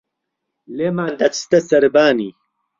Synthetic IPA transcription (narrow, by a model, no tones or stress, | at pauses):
lemaːnd̪ɐt͡sst̪ɐsɐɾbaːniː